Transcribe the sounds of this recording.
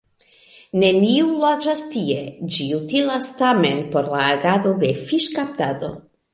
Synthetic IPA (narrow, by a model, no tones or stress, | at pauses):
ne̞niulad͡ʒastie̞d͡ʒiutilastame̞npo̞ɾlaːɡad̪o̞de̞fiʃkap̚tad̪o̞̰